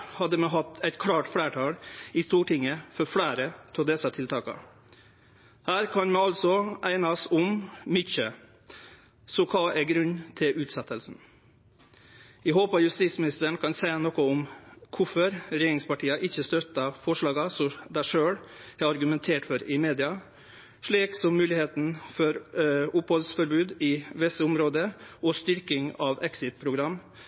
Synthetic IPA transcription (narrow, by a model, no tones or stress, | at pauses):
hɑd̪ːəmɛɦɑt̪ːæɪt̪kʰɽɑːʈfɽæːʈʰɑːɽɪst̪uːʈʰɪŋːəfɔɾfɽæːɾət̪ʰɔd̪ɛsɑt̪ʰɪlt̪ʰɑːkɑ̰ | hæːɾkʰɑnmɛɑlsɔʔæɪnɑsʊmmʏçə | sɔkʰɑːʔɛɡɾʉnːt̪ʰɪʔʉːt̪sɛt̪ːəlsn̩ | æɦoːpɑjʉst̪iːt̪smɪnɪst̪əɳ̩kʰɑnsæɪɑnɔkːɔʊmkʰʊfɔɾɾɛjeːɾɪŋspɑʈʰiːəʔɪçːəst̪œt̪ːɑfɔʂɭɑːɡɑsɔd̪æʂøːɽhæɾɑɾɡʉmɛnt̪ʰeːʈfɔɾɪmeːd̪ɪɑ | ʂɭiːksɔmːʉːlɪheːt̪n̩fɔɾʊphɔlsfɔɾbʉːd̪ɪʋɪsːəʊmɾoːd̪əɔst̪ʏɾkɪŋɑʋɛksɪt̪̚pʰɾʊɡɾɑmː